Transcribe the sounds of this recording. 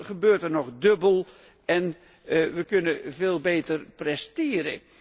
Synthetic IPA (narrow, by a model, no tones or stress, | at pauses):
χəbøːrtərnɔχdøbəlˠ | ɛn | ʋəkɵnəveːlˠbeːtərprɛsteːɾə̰